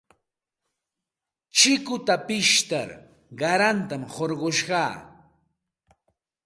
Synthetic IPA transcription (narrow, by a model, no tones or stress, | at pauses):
t͡ʃɪkʊt̪apɪʃt̪a̰ɾ | ɢɑɾant̪amhoɾɢoʃɢɑː